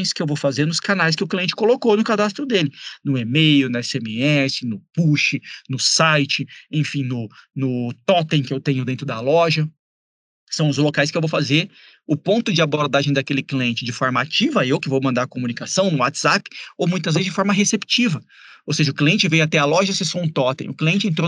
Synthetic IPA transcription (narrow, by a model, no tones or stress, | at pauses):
j̃skɪewvowfazeɾnʊskanajs̬kɪʊkliẽnt͡ʃɪ̥kolokownʊkad̪ast̪ɾʊd̪elɪnʊemejʊnɐɛsemɪɛsɪnʊpuʃɪnʊsajt͡ʃɪẽfĩnʊnʊt̪ɔt̪ẽkɪewt̪ẽɲʊd̪ẽnt̪ɾʊd̪ɐlɔʒɐ | sɐ̃w̃ʊzlokajs̬kɪewvowfazeɾ | ʊpõnt̪ʊd͡ʒɪaboɾd̪aʒẽj̃d̪akelɪkliẽnt͡ʃɪd͡ʒɪfɔɾmɐat͡ʃivɐewkɪvowmɐ̃nd̪aɾɐkomũnikasɐ̃w̃nʊwat͡ʃz̥apɪ̥owmũj̃t̪ɐzvezɪzd͡ʒɪfɔɾmɐɦesept͡ʃivɐ | owseʒɐʊkliẽnt͡ʃɪvẽjat̪ɛɐlɔʒɐsezsõũt̪ɔt̪ḛ̃ʊkliẽnt͡ʃɪẽnt̪ɾo